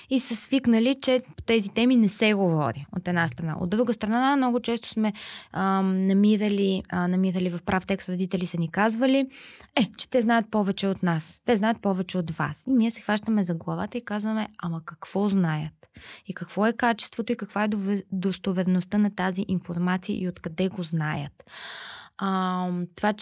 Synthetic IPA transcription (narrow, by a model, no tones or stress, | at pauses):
isəsviknəlit͡ʃɛpo̥t̪ɛzit̪ɛminɛsɛɡovɔɾio̰t̪ɛd̪nast̪ɾɐna̰ʔo̰d̪d̪ɾuɡəst̪ɾɐnaamnɔɡot͡ʃɛst̪o̥smɛ | nɐmiɾəlinɐmiɾəlivɐfpɾaft̪ɛkst̪ɾʊd̪it̪ɛlisɐnikazvəliɛt͡ʃɛ̥t̪ɛznajət̪̚pɔvɛt͡ʃɛot̪nast̪ɛznajət̪̚pɔvɛt͡ʃɛot̪va̰siniɛsɛxvaʃt̪əmɛzɐɡlˠɐva̰t̪əikazvɐmɛɐmɐkɐkv̥ɔznajət̪ikɐkv̥ɔɛkat͡ʃɛ̥st̪vot̪oikɐkvaɛd̪d̪ost̪ovɛɾɛnost̪ənɐt̪aziʔinfoɾmat̪sijə̰ʔiot̪kɐd̪ɛɡoznajə̰t̪ | t̪ova